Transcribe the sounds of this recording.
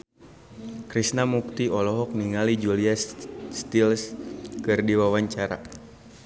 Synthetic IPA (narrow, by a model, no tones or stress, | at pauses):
kɾisnamuk̚t̪iɔlɔɦɔk̚niŋalid͡ʒuliasst̪ilskɨrdiwawaɲt͡ʃaɾa̰